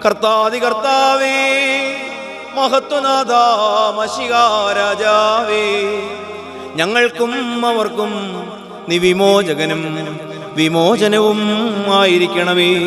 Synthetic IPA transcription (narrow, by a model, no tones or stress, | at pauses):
kɐrt̪aːd̪ikɐrt̪aːʋi | mɐɦɐt̪wɐnaːd̪ʱaːmɐɕiɣaːɾaːd͡ʒaːʋi | ɲɐŋːɐɭkumɐʋɐrkum | niʋimoːd͡ʑɐɡɐnum | ʋimoːd͡ʑɐnɐʋumaːjiɾikʲːɐɳɐʋi